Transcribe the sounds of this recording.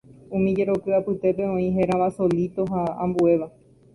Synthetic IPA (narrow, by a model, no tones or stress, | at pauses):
ũmĩd͡ʒe̞ɾokɨapɨt̪e̞pe̞õ̞ĩɦe̞ɾaʋaso̞lit̪o̞ɦaãmbue̞ʋa